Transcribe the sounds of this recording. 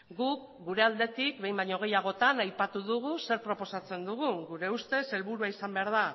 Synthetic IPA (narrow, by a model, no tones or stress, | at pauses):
ɡuk | ɡuɾe̞ald̪e̞t̪ik̚be̞jmbaɲoɣ̞e̞jaɣ̞o̞t̪anajpat̪uðuɣ̞use̞ɾpɾo̞po̞sat͡se̞nd̪uɣuɡuɾe̞ust̪e̞se̞lβuɾuaisambe̞aɾð̞a